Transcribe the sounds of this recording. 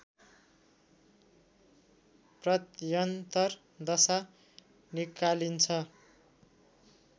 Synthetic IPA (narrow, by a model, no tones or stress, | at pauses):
prʌt̪jʌnt̪ʌr | d̪ʌsa | nikalint͡sʰʌ